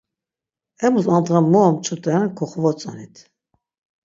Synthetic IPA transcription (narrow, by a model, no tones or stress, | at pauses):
ɛmusand̪ʁanmɔɔmt͡ʃʰut̪ʼɛɾankʰɔχvɔt͡sʼanit̪ʰ